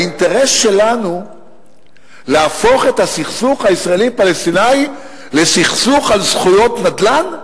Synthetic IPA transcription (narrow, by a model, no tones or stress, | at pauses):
int̪e̞ʁesʃe̞lanu | leafo̞χe̞t̪asiχsuχhaisʁaelipalest̪inaj | le̞siχsuχalsχujo̞t̪nad̪lan